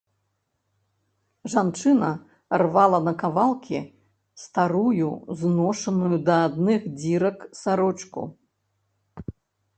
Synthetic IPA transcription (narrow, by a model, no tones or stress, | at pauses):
ʐant͡ʂɨnɐ | rvalˠɐnɐkavalˠkʲi | st̪aɾujṵznɔʂɐnujud̪ɐad̪nɨxd͡zʲiɾɐksaɾɔt͡ʂkṵ